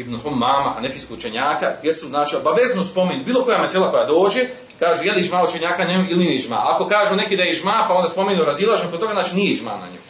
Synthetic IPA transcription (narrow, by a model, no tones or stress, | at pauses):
ibnuhomːaːmaanefiskoɡut͡ʃeɲaːkajesuznaːt͡ʃiobaʋeznospo̞menubiːlˠo̞ko̞jameselˠako̞jad̪o̞ːd͡ʒe | kaːʒuːjeliʒmaːut͡ʃeɲaːkaɲemuilinniʒma̰ako̞kaːʒunekid̪ajeʒmaːpao̞nd̪aspo̞meɲuɾazilˠaːʒenkot̪oɡaznaːt͡ʃinijeʒma̰ːna̰ɲo̰j